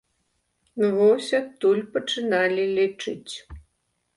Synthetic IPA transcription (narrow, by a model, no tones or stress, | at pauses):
vɔsʲat̪ːulʲpət͡ʂɨnalʲilʲit͡ʂɨt͡sʲ